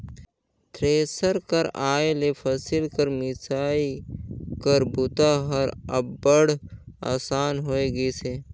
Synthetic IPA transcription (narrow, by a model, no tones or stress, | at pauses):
t̪ʰɾeːsəɾkəɾaːelepʰəsɪlkəɾmɪsaːikəɾbʊt̪aɦəɾɐ̰bbəɽa̰ːsaːnɦoːeɡeseː